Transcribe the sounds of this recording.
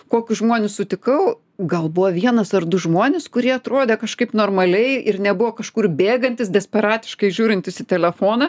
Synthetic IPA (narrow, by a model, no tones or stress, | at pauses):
koːkʲʊʒmoːnʲʊsʊt̪ʲɪkɐʊ | ɡɐlˠbʊʋɐʋʲiɛnɐsɐrd̪ʊʒmoːnʲɪskʊɾʲiɛɐt̪ɾoːd̪ʲeːkɐʃkɐɪpnoːrmɐlʲɛɪɪrnʲɛbʊʋokɐʃkuːrbʲeːɡɐnʲt̪ʲɪsd̪ʲɛsʲpʲɛɾɑːt̪ʲɪ̥ʃkɐɪʒʲuːɾʲɪnʲt̪ʲɪsɪt̪ʲɛlʲɛfoːnɐ